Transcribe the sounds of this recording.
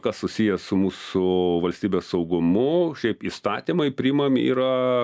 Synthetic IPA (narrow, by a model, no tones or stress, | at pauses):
kɐssʊsʲiːjɛsʊmuːsʊʋɐlʲsʲt̪ʲiːbʲeːssɐʊɡʊmʊʃʲɛɪpiːst̪ɑːt̪ʲimɐɪpʲɾʲiɪmɐmḭːɾɐ